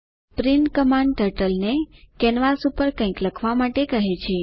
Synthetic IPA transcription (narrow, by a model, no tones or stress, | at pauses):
pɾinkəmãɳɖʈəɾʈəlnekɛnʋasupəɾkə̃ĩkləkʰʋamaʈekəɦet͡ʃʰe